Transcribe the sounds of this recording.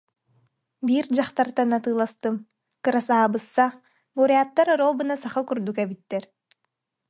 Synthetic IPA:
biːɾd͡ʑaχt̪aɾt̪anat̪ɯːlˠast̪ɯm | kɯɾasaːbɯsːa | buɾjaːt̪ːaɾɔɾoːbɯnasaχɯkuɾd̪ukɛbit̪ːɛɾ

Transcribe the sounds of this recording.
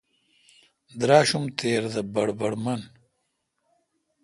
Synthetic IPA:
d̪ɾaːɕumt̪ʰeːɾd̪ɐbɐɽbɐɽmɐn

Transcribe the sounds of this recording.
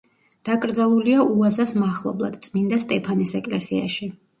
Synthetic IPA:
d̪̥akʼɾd̪zalˠuliauazasmaχlˠɔ̰blˠa̰d̪̥̚t̪sʼmind̪ast̪ʼɛpʰanisɛkʼlɛsḭa̰ʃi

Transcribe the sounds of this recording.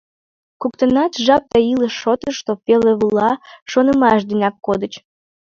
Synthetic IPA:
kukt̪ənɑt̪ʒɑp̚t̪ɑiləʃːot̪əʃt̪opeleβulɑʃonəmɑʃd̪inɑkːod̪ət͡ɕ

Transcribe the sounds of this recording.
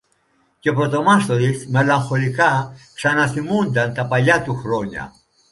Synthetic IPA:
cepɾot̪o̞mɐst̪oɾismelɐŋxo̞likɐksɐnɐθimund̪ɐnt̪ɐpɐʎɐt̪uxɾoɲɐ̰

